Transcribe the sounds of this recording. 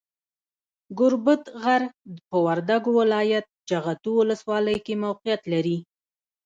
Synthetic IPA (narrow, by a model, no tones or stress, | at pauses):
ɡʊɾbʊt̪ɣaɾd̪əpəwaɾd̪aɡowɪlɑjat̪̚d͡ʒaɣat̪uwʊləswɑləjkemawqijat̪laɾi